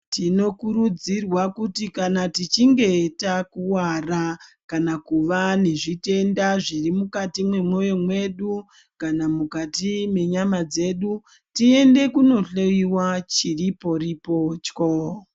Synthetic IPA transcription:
tino̞kuɾud͡zirwakutikanatit͡ʃiŋɡe̞takuwarakanakuʋane̞ʐite̞ndaʐirimukatimwe̞mwo̞jo̞mwe̞ɗu | kanamukatime̞ɲamad͡ze̞ːɗu | tie̞nde̞kuno̞ɬojiwat͡ʃiripo̞ripo̞t͡ʃko

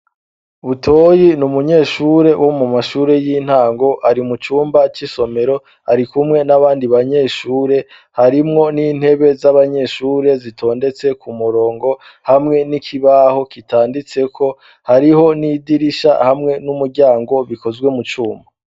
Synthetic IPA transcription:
βutʰojinumuɲe̞ːʃuːɾe̞wʔomumaʃuːɾe̞jiːn̥haːŋɡo̞ʔaɾimut͡ʃuːmbat͡ʃiso̞me̞ɾo̞ | aɾikumŋe̞naβaːndiβaɲe̞ːʃuːɾe̞ | haɾimŋo̞niːn̥he̞βe̞zaβaɲe̞ʃuːɾe̞zitʰo̞ːnde̞t͡se̞kumuɾo̞ːŋɡo̞ | hamŋe̞nikʰiβaho̞kitaːndit͡se̞kʰo̞ | haɾiɦo̞nidiɾiʃa̰hamŋe̞numuɾɟaːŋɡo̞βiko̞zwe̞mut͡ʃuːmba

